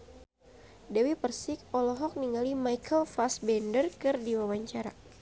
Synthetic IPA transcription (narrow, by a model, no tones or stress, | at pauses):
dɛwipərsɪk̚ɔlɔɦɔk̚niŋɡalimajkʰəlfasbɛndərkɨrdiwawaɲt͡ʃaɾa